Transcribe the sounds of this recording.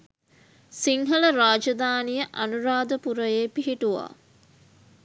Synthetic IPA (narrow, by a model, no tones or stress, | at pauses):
siŋɦələɾaːd͡ʒɐd̪aːnijəʔanuɾaːd̪əpuɾəjeːpiɦiʈuʋa̰ː